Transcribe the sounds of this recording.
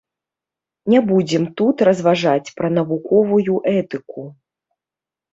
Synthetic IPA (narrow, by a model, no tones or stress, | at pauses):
nʲɛbud͡zʲɛmt̪ut̪ɾɐzvaʐat͡sʲpɾɐn̪ɐvukɔvujuʔɛt̪ɨku